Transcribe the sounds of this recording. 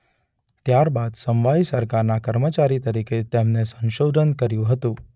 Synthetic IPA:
t̪jaɾbad̪sə̃mʋaisəɾkaɾnakəɾmət͡ɕaɾit̪əɾikʰet̪emnesə̃ñɕod̪ʱənkəɾjũɦət̪ũ

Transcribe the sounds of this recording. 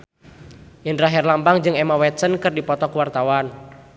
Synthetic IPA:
ʔɪnraɦɛrlampaŋd͡ʒɨŋemawɛtsənkərdipɔt̪ɔkəwart̪awan

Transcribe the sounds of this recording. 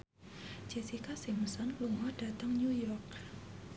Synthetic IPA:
d͡ʒesikʰasemusankluŋwɔdat̪aŋɲujɔk̚

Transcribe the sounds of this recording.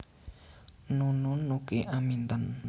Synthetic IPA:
nununːukeʔamint̪ən

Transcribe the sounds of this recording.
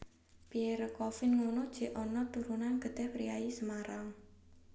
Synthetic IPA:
pieɾəkɔfɪnŋonod̥ʒ̥ɛ̤ʔɔnɔt̪uɾunanɡ̥ə̤dt̪ɛhpɾiaisəmaɾaŋ

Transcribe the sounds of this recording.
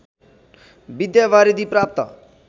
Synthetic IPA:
bɪd̪jaʋaːɾid̪iːpɾaːp̚t̪a̰

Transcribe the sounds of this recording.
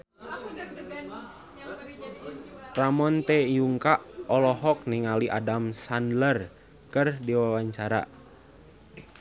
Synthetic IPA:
ramɔnt̪ɛijuŋkaʔɔlɔɦɔk̚niŋaliʔa̰damsandlər | kɨrdiwawaɲt͡ʃaɾa̰

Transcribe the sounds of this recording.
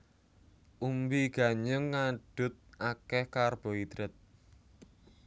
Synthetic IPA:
ʔumbiɡ̥a̤ɲəŋːaɖ̥ʊ̤t̪̚ʔakɛhkarb̥o̤id̪ɾɪt̪̚

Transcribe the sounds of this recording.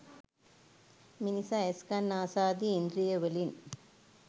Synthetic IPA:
minisaeskanːaːsaːd̪iːnd̪ɾijɐʋelin

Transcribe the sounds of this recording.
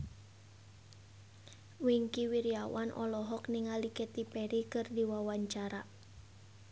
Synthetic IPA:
wiŋkiwiɾiawanʔɔ̰lɔɦɔkniŋalikɛt̪ipɛɾikɨrdiwawaɲt͡ʃaɾa

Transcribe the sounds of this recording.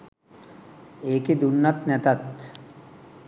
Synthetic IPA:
eːked̪unːat̪nɛt̪at̪

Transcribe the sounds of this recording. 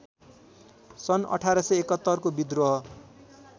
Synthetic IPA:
sʌnʌ̰ʈʰaɾʌsʌekʌt̪ːʌrkobid̪roɦʌ

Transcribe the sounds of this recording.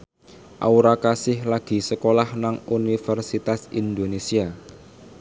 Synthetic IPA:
ʔa̰uɾakasɪhlaɡ̥i̤səkolahnaŋunifərsit̪asind̪onesia

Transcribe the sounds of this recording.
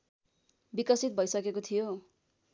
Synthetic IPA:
bikʌsit̪̚bʱʌjsʌkekot̪ʰijo

